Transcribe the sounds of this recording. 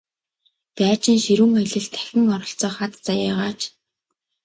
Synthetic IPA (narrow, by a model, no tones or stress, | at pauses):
t̪æːt͡ɕɪ̆nʃiɾuːŋœjɮɘ̆ɮt̪ʰæ̥xʲɪ̆ŋɔɾɞ̆ɬt͡sɔːχat̪t͡sajaːʁaːt͡ɕ